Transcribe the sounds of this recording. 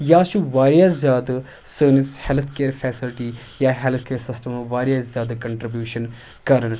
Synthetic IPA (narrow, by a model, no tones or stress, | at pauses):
jaːʃuʋaːɾjaːszjaːd̪ɨ | səːnishelt̪ʰkeːɾfʰɛːsilʈi | jaːɦelt̪ʰkeːɾsɪsʈɐmʋaːɾjaːszjaːd̪kɐɳʈɾibjuːʃɐn | kaːɾɐɳ